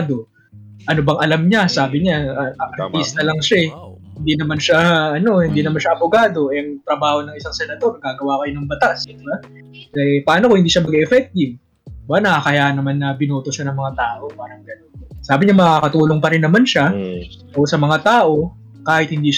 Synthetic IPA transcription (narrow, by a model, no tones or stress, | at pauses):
d̪o̞ | ʔɐnobɐŋʔɐlamɲasaːbɪɲaʔɐt̪lisnɐlɐŋʃaɛ | hɪnd̪iːnɐmanʃaʔɐno̞hɪnd̪iːnɐmanʃaʔɐboɡaːd̪o̞ɛɐŋt̪ɾɐbaːho̞nɐŋɪsaŋsɛnɐt̪o̞ɾɡaːɡɐwakɐjonɐŋbɐt̪asɪt̪oba | kɐpɐaːnokoɪnd̪iːʃamɐɡɛʔɛfɛk̚t̪ɪv | ɪbanɐakɐjaːʔnɐmanːɐbɪnuːt̪oʃanɐŋmɐŋat̪aːʔo̞paːɾɐŋɡɐno̞nsaːbɪɲamɐkakɐt̪uːlo̞ŋpɐɾɪnːɐmanʃa | ʔosɐmɐŋat̪aːʔo̞ | kaːhɪt̪̚hɪnd̪iːʃ